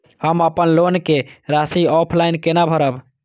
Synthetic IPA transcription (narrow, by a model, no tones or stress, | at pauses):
həməpənlonkeɾasiɔpʰlaɪnkenabʱəɾəb